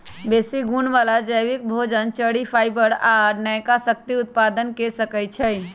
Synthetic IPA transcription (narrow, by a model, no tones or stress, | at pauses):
beːsiɡunʋaːlad͡ʒəjʋɪk̚bʱod͡ʒənt͡ʃəɽipʰaːɪbəɽaːɾnəjkasək̚t̪iʊt̪̚paːd̪ənkesəkəjt͡ʃʰəj